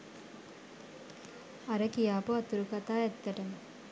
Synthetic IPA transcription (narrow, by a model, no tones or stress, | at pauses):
ɐɾəkijaːpuɐt̪uɾukat̪aːɛt̪ːəʈəmə